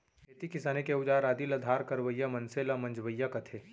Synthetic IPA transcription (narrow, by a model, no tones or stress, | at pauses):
eːt̪ikɪsaːnekeʊd͡ʒaːɾaːd̪ilɐd̪ʱaːɾkɐɾʋəjːamɐ̃nselamɐ̃nd͡ʒʋəjːakɐt̪ʰeː